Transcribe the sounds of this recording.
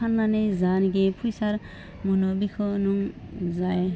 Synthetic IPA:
anːanejzanɡepʰujsaɾ | munɔbikʰɔnuŋ | zaj

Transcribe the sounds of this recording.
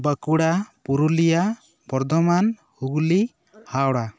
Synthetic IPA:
bəkuɽapuɾulija | bɔɾd̪ɔman | huɡuli | hawɽa

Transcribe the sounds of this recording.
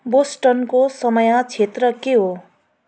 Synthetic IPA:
bosʈʌnkosʌmʌjãt͡sʰet̪rʌkeɦo

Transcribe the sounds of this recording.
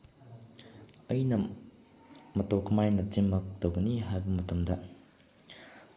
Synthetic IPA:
ɐjnɐ | mɐtokʰɐmajnɐtiŋmɐk̚tɐwɡɐniɦajbɐmɐtɐmdɐ

